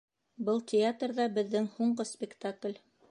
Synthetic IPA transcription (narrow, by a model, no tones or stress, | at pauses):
bɤlˠtʲɪat̪rðɑbɘ̆ðːɘŋhuɴɢɤspʲɪkt̪aklʲ